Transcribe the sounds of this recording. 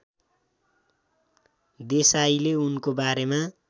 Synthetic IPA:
d̪esajleunkobaɾema

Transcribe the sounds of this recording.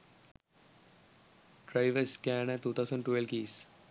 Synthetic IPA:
ɖɾaɪʋəɾskɛnɛt̪uːt̪ʰaʊzə̃ɳɖʈʋelʋkiːs

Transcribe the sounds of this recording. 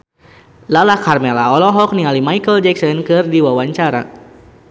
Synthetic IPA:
lalakarmɛlaɔlɔɦɔk̚niŋalimajkəld͡ʒɛksɔnkɨrdiwawaɲt͡ʃaɾa̰

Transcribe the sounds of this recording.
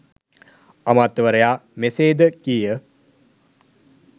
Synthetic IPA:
amat̪ːʋəɾəjaːmeseːd̪əkijə

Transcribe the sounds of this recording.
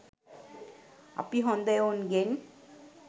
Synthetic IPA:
a̰piɦõnd̪ajonɡen

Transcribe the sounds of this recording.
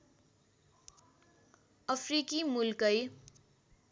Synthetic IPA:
ʌpʰrikimulkʌj

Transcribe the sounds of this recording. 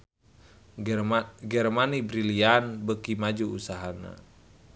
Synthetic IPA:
ɡɛrmanibɾilianbəkimad͡ʒuusaɦana̰

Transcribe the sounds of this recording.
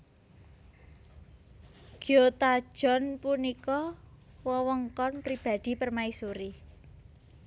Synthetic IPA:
ɡ̥iot̪ad̥ʒ̥ɔ̤npunikɔwɔwɔŋkɔnpɾib̥a̤d̪̥i̤pərmaisuɾi

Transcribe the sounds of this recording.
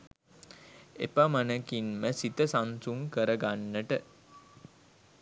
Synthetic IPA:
ḛpamanəkinməsit̪əsansuŋkəɾəɡanːəʈə

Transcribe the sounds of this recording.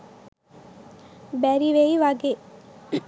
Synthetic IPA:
bɛːɾiʋeiʋaːɡe

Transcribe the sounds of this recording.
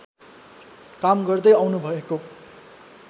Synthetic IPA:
kamɡʌrd̪ʌjawnubʱʌeko

